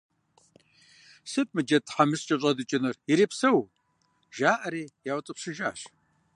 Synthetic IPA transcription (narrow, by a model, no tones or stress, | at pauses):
sɨp̚ʰʼmɨd͡ʒɐtʰħamɨst͡ʃʼɐɕʼɐdɨt͡ʃʼɪnɨrjiɾeːpsɐw | ʒaːʔɐɾeːjaːwtʼɨpʂɪʒa̰ːɕ